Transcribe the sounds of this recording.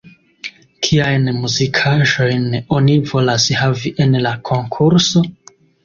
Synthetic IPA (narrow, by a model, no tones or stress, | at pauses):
kʰiajnmuzikʰaʒo̞jno̞nivo̞lashaviʔe̞nlakʰo̞ŋkʰuɾso̞